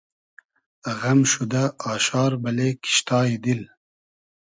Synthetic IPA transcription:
əɣɐmʃud̪ɐɑːɕɑːɾbɐleki̥ʃt̪ɑːid̪il

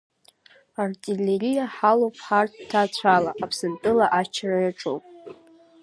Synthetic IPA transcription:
artʼilerijaħalowpʰʼħarttʰːat͡ɕʷʰala̰ʔapʰsɨntʼɨlaʔat͡ʃʰarajaʈ͡ʂʼowpʼ

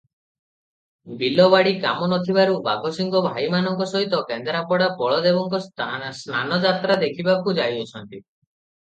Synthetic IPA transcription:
bilɔβaɽika̰mɔnɔt̪ʰibaɾuba̰ɡʱosiŋɡɔbʱajmanɔŋkɔsɔɦit̪ɔkend̪ɾapɔɽapɔɭɔd̪ebɔŋkɔsnanɔd͡ʒat̪ɾad̪ekʰibakud͡ʒajɔt͡ʃʰɔnt̪i

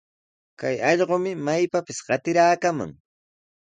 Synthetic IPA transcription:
kajɑʎɢomɪmajpapɪsɢɑt̪ɪɾaːkama̰ŋ

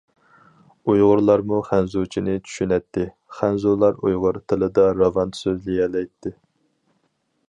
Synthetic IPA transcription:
ujʁʊɾlˠɑɾmuχænzut͡ʃʰinɪt͡ʃʰy̥ʃynɛt̪ːɪ | χænzulˠɑɾṵjʁʊɾt̪ʰɨlˠɨd̪ɑɾɑvɑnsøzlijɛlɛjt̪ʰːɪ

